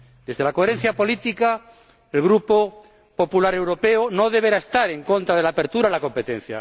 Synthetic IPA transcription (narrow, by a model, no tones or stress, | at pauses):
d̪e̞zðelako̞eɾen̟θjapo̞lit̪ika | elɣɾupo | po̞pulaɾe̞wɾopeonoðe̞β̞eɾaest̪aɾe̞ŋkõ̞nt̪ɾað̞e̞laːpe̞ɾt̪uɾalakõ̞mpet̪en̟θja̰